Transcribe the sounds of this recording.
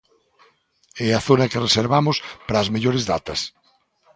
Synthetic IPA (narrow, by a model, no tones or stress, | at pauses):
ɛaθonɐkereseɾβamʊspɾɐːzmeʎoɾezðat̪ɐs